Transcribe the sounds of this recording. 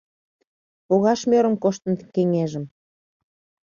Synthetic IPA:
poɣɑʃmøɾə̆mkoʃt̪ə̆nkeŋeʒə̆m

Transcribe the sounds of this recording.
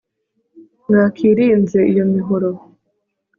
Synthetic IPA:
ŋakʰiːɾiːnze̞ijo̞miɦoɾo

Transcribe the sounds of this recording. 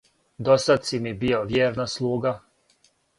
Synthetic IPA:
d̪osat̪simibioʋjeːɾnaslˠuːɡa

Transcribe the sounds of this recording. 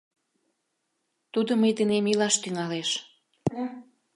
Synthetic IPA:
t̪ud̪oməjd̪enemilɑʃt̪yŋɑleʃ

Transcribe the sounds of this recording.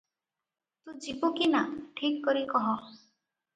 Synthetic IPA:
t̪ũd͡ʒibokinaʈʰikːɔɾikɔɦɔ

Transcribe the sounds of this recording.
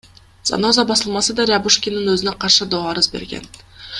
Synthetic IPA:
z̥a̰no̞zɑbɑsɯlˠmɑsɯd̪ɑɾʲɪabuʃkʲininøzyneqʰɑɾʃɯd̪oɑɾɯzbeɾɡḛn

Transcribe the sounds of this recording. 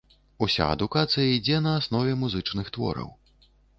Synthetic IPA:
usʲa̰ɐ̰d̪ukat̪sɨjɐid͡zʲɛnɐːsnɔvʲɛmuzɨt͡ʂnɨxt̪vɔ̰ɾɐ̰w

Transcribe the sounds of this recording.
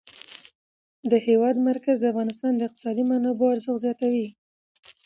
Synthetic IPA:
d̪əhewɑd̪maɾkazd̪əafɣɑnɪst̪ɑnd̪əɪq̚t̪ɪ̥sɑd̪imanɑboaɾzəxzjɑt̪awi

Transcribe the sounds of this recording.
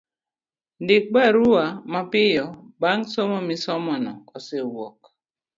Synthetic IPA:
ndɪk̚baɾuamapɪjɔbaŋsɔmɔmisɔmɔnɔ̰ɔsewɔk

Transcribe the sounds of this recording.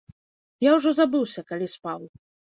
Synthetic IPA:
jawʐɔzabɨwsʲɐkalʲispaw

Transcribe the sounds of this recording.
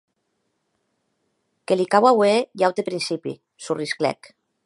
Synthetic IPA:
kelikawawejawt̪epɾinsipḭ | surisklɛ̰k

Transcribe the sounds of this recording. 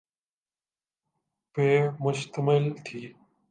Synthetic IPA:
peːmʊʃt̪əmɪlt̪ʰiː

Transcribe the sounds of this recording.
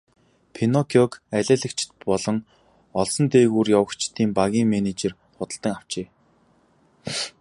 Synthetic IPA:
pʰenɔkʰjɔkæɮʲæːɮɘ̆kt͡ɕʰɪ̥̆t̪̚pɔɮɞ̆ŋ | ɔɮsɞ̆nt̪eːɣuːrjawə̆kt͡ɕʰt̪iːmpaɣʲiːŋmenet͡ɕer | χʊt̪ə̆ɬt̪ə̆ŋaw̥t͡ɕeː

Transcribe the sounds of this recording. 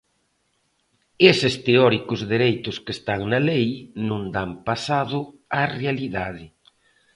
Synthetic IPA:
esɪst̪eɔɾikʊzðeɾejt̪ʊskest̪aŋnɐlejnõnd̪ampasaðʊarealiðaðɪ

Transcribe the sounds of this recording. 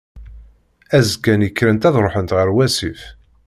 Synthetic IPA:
æzɡænjəkːɾənt̪æðɾˤoħənt̪ʁəɾwæsif

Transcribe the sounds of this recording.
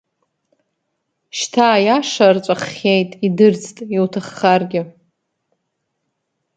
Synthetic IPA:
ʃtʰaːjaʂart͡ʃʷʼaχʲejtʼidɨrt͡sʰtʼiwtʰaχːarɡʲɪ

